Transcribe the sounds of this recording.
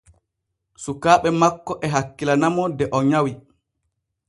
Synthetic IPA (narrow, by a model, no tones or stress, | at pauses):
sukaːɓɛmakːɔʔɛɦakːilanamɔdɛʔɔɲawi